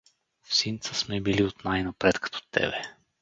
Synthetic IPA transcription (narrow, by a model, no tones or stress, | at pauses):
fsint̪səsmɛbiliot̪najnapɾɛt̪kɐ̥t̪ʰɔ̥t̪ɛ̰bɛ